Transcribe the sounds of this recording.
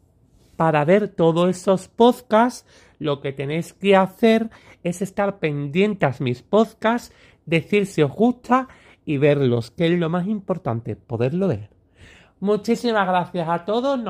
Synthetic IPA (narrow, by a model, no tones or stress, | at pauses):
paɾaβe̞ɾt̪o̞ðoe̞so̞spo̞ðkas | lo̞ke̞t̪e̞ne̞jskeaθe̞ɾ | e̞se̞st̪aɾpe̞nd̪je̞nt̪asmispo̞ðkas | d̪e̞θiɾsio̞zɣuht̪a | iβ̞e̞ɾlo̞skezlo̞masĩmpo̞ɾt̪a̰nt̪e̞po̞ðe̞ɾlo̞βe̞ɾ | mut͡ʃisimaɣɾaθjasat̪o̞ðo̞zn